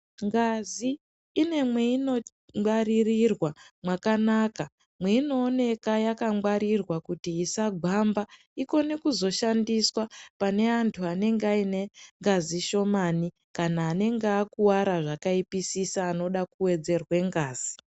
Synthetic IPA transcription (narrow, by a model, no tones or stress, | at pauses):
ŋɡaziː | ne̞mweino̞ | waririrwamwakanaka | mwe̞ino̞ːne̞kajakaŋwaɾirwakutiːsaɡʱamba | iko̞ne̞kuzo̞ʃandiswapane̞antʰuane̞ŋɡeaine̞ŋɡaziʃo̞mani | kanaːne̞ŋɡeakuwaɾaʐakaipisisaːno̞ɗakuwe̞d͡ze̞rwe̞ŋɡaːz̥i